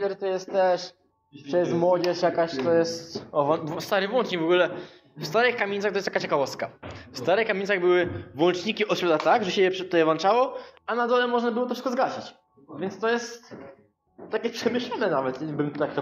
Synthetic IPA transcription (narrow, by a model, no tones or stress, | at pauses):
d̪ɛɾt̪ɔjɛst̪t̪ːɛʂ | t̪ɛjɛst̪mwɔd͡ʑɛʂjakaɕt̪ɔjɛst̪ɔvɔnvɔst̪aɾɨvwɔnt͡ʂɲikvɔɡulɛ | fst̪aɾɘxkamʲeɲʲt̪axt̪ɔjst̪akːat͡ɕɛkavɔst̪̚kafst̪aɾɘxkːamʲeɲʲtsaɣbɘwɘvwɔnt͡ʂɲikʲiʔɔt̪ɕʲɔt̪at̪aɡʐɛɕɛjɛʂt̪ɔjɛvant͡ʂawɔanad̪ɔlɛmɔʐnabɘwɔt̪ɔfʂɘ̥skɔzɡaɕit͡ɕ | vʲjɛnt̪st̪ɔjɛst̪ | t̪ːakʲɛpʂɛmɘɕlɔnɛnavɛt̪ɲɛbɘmt̪ut̪akt̪ɔ